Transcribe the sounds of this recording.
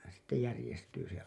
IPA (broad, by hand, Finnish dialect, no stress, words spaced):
sitːe jærĭjestyː se